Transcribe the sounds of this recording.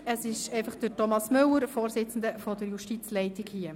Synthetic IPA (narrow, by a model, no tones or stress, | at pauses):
əsɪʃɛɪfɑχd̥ətɔmɑsmɵlːəɾfoːɾsɪt͡sn̩d̪əfɔdəɾjuʃtit͡slɛɪtɪɡhiə